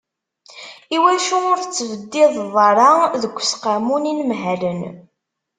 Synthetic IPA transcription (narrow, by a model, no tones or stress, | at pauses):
iwæʃuʊɾθət͡sːəvəd̪ːɪðˤðˤɑɾˤɑðəɡʷːsqamuninmɦælən